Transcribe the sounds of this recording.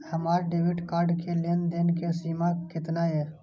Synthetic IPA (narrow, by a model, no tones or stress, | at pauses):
həmaːɾɖeʋiʈkaːɾɖkelend̪enkesimakɪt̪nae